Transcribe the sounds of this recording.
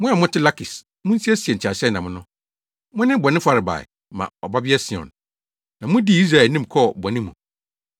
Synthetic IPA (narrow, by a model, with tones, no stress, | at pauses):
mʊ̃˦a˨mʊ̃˦tʰɪ˦la˦kʰɪ˨s | mʊ̃˦n̩˦si˦ɛ˦si˨ɛ˨ɲ̩˨t͡ɕʰa˨sɛ˦˨nã˨mʊ̃˦nʊ̃˦ | mʊ̃˦nɪ̃˦bɔ˨nɪ̃˦fa˦ɾɪ˨ba̰˨ɛ̰˨ | mã̰˨ɔ˨ba˦bɪ˦ɛ˦sɪ̃˨ɔ̰̃˨n | nã˨mʊ̃˦di˦˨˦i˦s̬ɾa˨ɛ˨nĩ˦mkʰɔ˦˨bɔ˨nɪ̃˦mũ˨